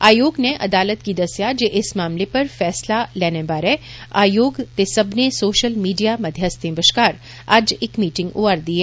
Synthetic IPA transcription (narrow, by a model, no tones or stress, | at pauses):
aːjoːɡneʔɐ̰d̪aːlət̪kid̪ɐsjad͡ʒeːʔɪsmaːmlepɐɾfɛːslalɛːnẽbaːɾɛːa̰ːjoːɡt̪esɐbʱnesoːʃəlmiːɖijamɐd̪ʱjast̪ẽbəʃkaːɾ | aːd͡ʒɪːkmiːʈɪ̃ŋɡoːəɾd̪iːɛː